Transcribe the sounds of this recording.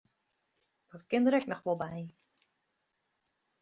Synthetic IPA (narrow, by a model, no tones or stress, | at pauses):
d̥ɔtkɪndəɾɛknɔxʋɔlˠbɛj